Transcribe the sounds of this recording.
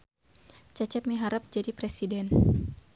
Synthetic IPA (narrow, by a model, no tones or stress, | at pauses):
t͡ʃat͡ʃɛpmiɦaɾap̚d͡ʒadipɾɛsidɛn